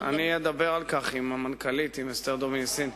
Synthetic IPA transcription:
a̰nied̪abeʁalkaχimamankalit̪imest̪eʁd̪ominsin

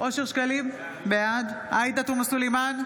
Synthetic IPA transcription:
ʔo̞ʃeʁʃkalim | bead̪ʔajt̪at̪umasuliman

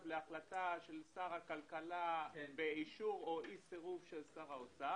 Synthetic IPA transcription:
vleaχlat̪aʃe̞lsaʁakalkalabeiʃuʁoʔiseʁuvʃelsaʁaot͡sa

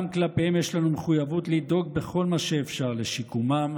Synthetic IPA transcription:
mklapehemjeʃlanumeχujavut̪lid̪o̞ɡ̚be̞χo̞lmaʃeːfʃaʁleʃikumam

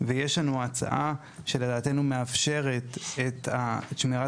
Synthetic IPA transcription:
veje̞ʃlanuat͡sa̰ʔa | ʃe̞le̞daːt̪e̞nume̞afʃe̞ʁe̞t̪et̪aʃmiʁa

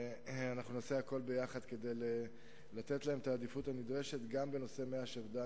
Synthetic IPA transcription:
anaχnunoseako̞lbe̞jaχad̪ke̞d̪ejle | lat̪e̞t̪lahemet̪aːd̪ifut̪anid̪ʁe̞ʃe̞t̪ɡambe̞no̞se̞me̞aʃevd̪a

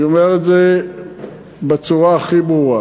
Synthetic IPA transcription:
omeʁetze | bet͡suʁaːχibʁua

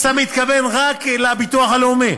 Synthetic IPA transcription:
samit̪kave̞nʁaklabit̪uaχaleome

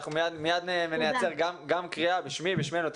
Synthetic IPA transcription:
χumejad̪mejad̪nemenejat͡seʁɡamɡamkʁiabiʃmibiʃmenut̪

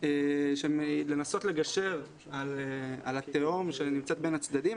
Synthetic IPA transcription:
eʃele̞naso̞t̪le̞ɡaʃe̞ʁ | alealat̪eomʃenimt͡set̪be̞nhat͡sd̪adim

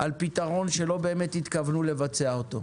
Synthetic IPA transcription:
ʔalpit̪aʁo̞nʃe̞lo̞be̞ːmet̪hit̪kavnule̞vat͡se̞aot̪o̞̰

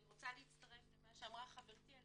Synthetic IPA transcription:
ʁot͡saliit͡st̪ɐʁe̞flemaʃeamʁaχaveʁt̪ia

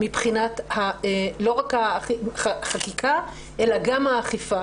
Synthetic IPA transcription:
mipχinat̪haelo̞ʁakhaχaχakikʰa | ʔelaɡamhaːχifa

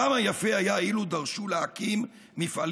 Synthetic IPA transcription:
amajafe̞ajailud̪aʁʃuleakimː | ifal

